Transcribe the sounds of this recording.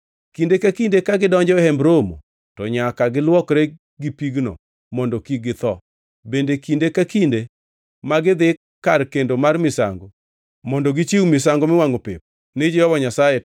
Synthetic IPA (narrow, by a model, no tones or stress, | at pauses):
kindekakindekaɡɪdɔɲd͡ʒɔhɛmbɾomo̰ | tɔɲakaɡɪlwɔkɾe | ɡipiɡnɔ̰ | mɔndɔkiɡɪt̪ɔ | bendekindekakinde | maɡɪd̪ɪ | kːarkendomarmɪsa̰ŋɡo | mɔndɔɡɪt͡ʃiwmɪsaŋɡomɪwaŋopɪ̰p̚ | nɪd͡ʒɛjɔwɔɲasaje